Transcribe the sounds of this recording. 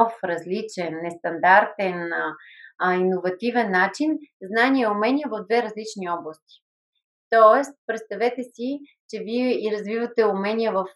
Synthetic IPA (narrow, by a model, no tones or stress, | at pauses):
ɔfɾɐzlit͡ʃɛnːɛst̪ɐnd̪aɾt̪ɛn | inovɐt̪ivɛnːat͡ʃinznanʲiɛʊmɛnʲiəvɐvd̪vɛɾɐzlit͡ʃniɔblˠɐst̪i̥ | t̪ɔɛst̪̚pɾɛt̪st̪ɐvɛt̪ɛsi | t͡ʃɛviɛiɾɐzvivɐt̪ɛʊmɛniəvəf